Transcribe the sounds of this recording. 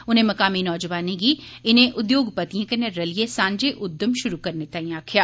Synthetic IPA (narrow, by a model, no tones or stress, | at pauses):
ʊnɦẽmɐkaːminɔːd͡ʒʋaːnẽɡi | ɪnẽʔʊd̪joːɡpɐt̪ijẽkɐneɾɐlijesãːɲd͡ʒeʔʊd̪ːəmʃʊɾukɐɾnet̪ɐĩjaːkʰijaː